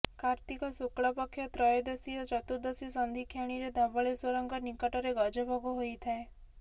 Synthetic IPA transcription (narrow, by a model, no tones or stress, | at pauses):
kaɾt̪ikɔsukɭɔpɔkʰːjɔt̪ɾɔjɔd̪esiɔt͡ʃɔt̪ud̪ɔsisɔnd̪ʱikʰjeɽ̃iɾed̪ʱɔbɔɭeswɔɾɔŋɡɔnikɔʈɔɾeɡɔd͡ʒɔbʱɔɡɔɦojt̪ʰae